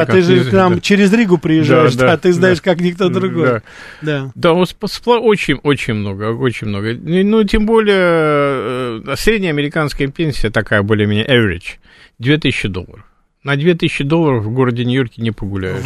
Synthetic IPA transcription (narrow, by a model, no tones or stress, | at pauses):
akt̪ɨʐɨknamt͡ɕɪɾʲɪzɾʲiɡʊpɾʲɪjɪʐːajɪʂd̪aːt̪ɨznajɪʂkaknʲɪk̚t̪od̪ɾʊɡoja | d̪ad̪aospsplˠaʔot͡ɕɪnʲo̞t͡ɕɪnʲmno̞ɡəo̞t͡ɕɪnʲmno̞ɡənutʲembo̞lʲɪjə | sɾʲedʲnʲəɐmʲɪɾʲɪkanskəjəpʲenʲsʲɪjət̪ɐkajəbo̞lʲɪjmʲenʲa̰ʔɛvʲɪɾʲɪ̰t͡ɕ | d̪ʲvʲet̪ɨsʲɪɕːɪd̪o̞̰lˠːə̰ɾəf | nɐd̪ʲvʲe̞t̪ɨsʲɪɕːɪd̪o̞lˠːəɾəfvɡo̞ɾədʲɪnʲɪjo̞rkʲɪnʲɪpəɡʊlʲæ̰jʊ̰